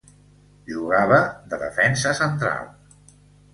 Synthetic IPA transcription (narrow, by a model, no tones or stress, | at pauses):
ʎuɣaβəðəðəfɛnsəsənt̪ɾa̰lˠ